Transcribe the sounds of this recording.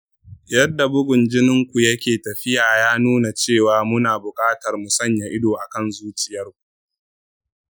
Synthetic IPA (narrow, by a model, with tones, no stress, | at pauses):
jɐ˦dːa˨bʊ˦ɡʷʊ˨nd͡ʒɪ˦nɪ˦ŋkʷu˨jɐ˦kʲeː˨tɐ˨ɸɪ˦jaː˨jaː˦nuː˦na˨t͡ʃeː˦˨waː˨mʊ˦naː˨bʊ˨kʼaː˦tɐ˨rmʊ˨sɐ˦˨ɲja˨ʔɪ˦doː˨ʔa˨kɐ˦˨nzuː˦t͡ʃɪ˦jɐ˦rkʷu˨